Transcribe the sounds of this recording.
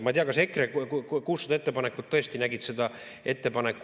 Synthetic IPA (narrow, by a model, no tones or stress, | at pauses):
mɑt̪eɑkɑse̞kːrekuːsːɑd̪̥ɑe̞t̪ːepɑnekːˑud̪̚t̪ːɤest̪inæɡid̪sed̪ɑ | e̞t̪ːe̞pɑnekːˑ